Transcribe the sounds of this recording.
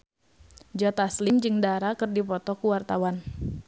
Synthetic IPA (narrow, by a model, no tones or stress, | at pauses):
d͡ʒɔt̪aslimd͡ʒɨŋdaɾakɨrdipɔt̪ɔkuwart̪awan